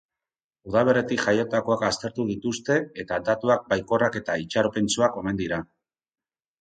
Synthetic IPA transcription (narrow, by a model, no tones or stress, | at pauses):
uð̞aβ̞e̞ɾe̞t̪ikʝajo̞t̪ako̞akast̪e̞ɾt̪uðit̪ust̪e̞et̪ad̪at̪uak̚bajko̞rake̞t̪ait͡ʃaɾope̞nt͡suako̞me̞nd̪iɾa